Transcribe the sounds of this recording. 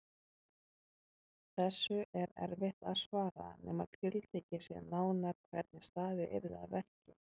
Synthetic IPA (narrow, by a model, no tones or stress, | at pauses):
θɛsːʏʔɛɾɛ̰ɾvɪht̪aðsvaːɾa̰nɛ̰ːma̰ðt̪ʰɪlt̪ʰeːjcasjɛ̰naːwnaɾ̥kʰvɛɾt̪̚nɪst̪aːðɪʔɛ̰ɾða̰ðvɛr̥cɪ